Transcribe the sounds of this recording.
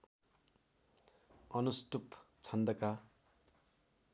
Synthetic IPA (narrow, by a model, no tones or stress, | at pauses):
ʌnusʈup | t͡sʰʌnd̪ʌka